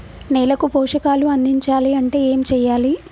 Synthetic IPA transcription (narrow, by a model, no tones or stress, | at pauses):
nɛːlɐkupɔːwʂɐkaːluɐnd̪ʱiɲt͡ʃaːliɐɳʈe̞ːeːmt͡ʃɛːjːaːli